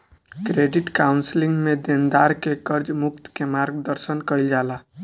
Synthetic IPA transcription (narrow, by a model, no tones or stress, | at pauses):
kɾeɖiʈkawnsliŋɡmed̪end̪aɾkekəɾd͡ʒmukt̪kemaɾɡd̪əɾsənkəjld͡ʒala